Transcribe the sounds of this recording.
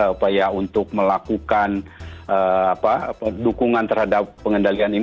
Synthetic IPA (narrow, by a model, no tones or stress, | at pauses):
upajaunt̪ʊk̚məlakukanʔəapadukuŋant̪ərhadapːəŋəndalianin